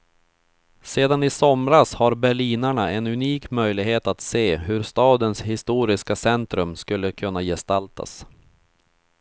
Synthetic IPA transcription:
seːd̪anɪsɔmɾashaɾbɛɭiːnaɳaɛnɵniːkmœjlɪɡheːt̪at̪seːɦɵɾst̪ɑːd̪ənshɪst̪uːɾɪskasɛnt̪ɾɵmskɵlːəkʰɵnːajɛst̪alt̪ʰa̰s

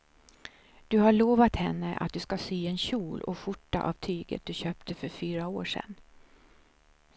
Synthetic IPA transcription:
d̪̥ɵhaɭoːvat̪hɛnːəʔa̰t̪̚d̪ɵskasiːɛnɕuːlʔɔ̰ɧʊʈːa̰ʔavt̪ʰyːɡə̰t̪̚d̪̥ɵɕøːpt̪ʰəfœɾfyːɾaoːʂɛ̰n

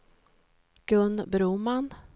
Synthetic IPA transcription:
ɡ̥ɵnːbɾuːman

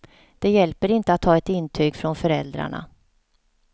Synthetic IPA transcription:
d̪̥ɛjɛlpəɾɪnt̪əat̪ʰːɑːɛt̪ɪnːt̪ʰyːɡfɾɔnfœɾɛld̪ɾa̰ɳa̰

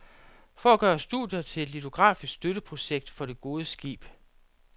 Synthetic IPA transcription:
fɒ̽æɡ̥ɶːɐsd̥ṵðˠjɐt͡sʰe̝le̝d̥lit͡sʰo̝ɡ̥ʁɑ̰̈ːfisɡ̥sd̥øɾəpʰʁo̝ɕeɡ̥̚d̥fɒ̽ɾ̥e̝ɡ̥o̝ːðˠəsɡ̥ḭːb̥

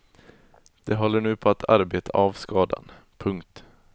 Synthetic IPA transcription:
d̪̥ɛɦɔlːəɳʉ̟ːpʰɔat̪ʰa̰ɾbeːt̪ʰa̰ʔavskɑːd̪a̰n | pʰɵŋkt̪

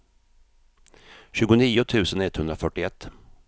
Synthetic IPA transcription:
ɕʉ̟ːɡʊniːʊt̪ʰʉ̟ːsənɛt̪ːhɵnɾafœʈːɪɛt̪ː

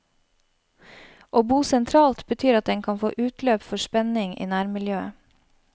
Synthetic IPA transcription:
ʔoːbuːsɛnt̪ʰɾɑːlt̪bət̪ʰyːɾɑt̪̚d̪ɛŋkʰɑnfo̰ːʔʉːt̪løːpfɔʃpɛnɪŋḭːnæːɾmɪljøːə

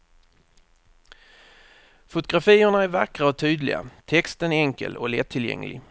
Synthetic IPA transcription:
fʊt̪ʊɡɾafiːəɳaæɾvakʁaɔt̪ʰyːd̪lɪ̰ɡa̰t̪ʰɛkst̪ənɛŋkə̰lɔ̰lɛt̪ʰːɪljɛ̰ŋːlɪ̰ɡ

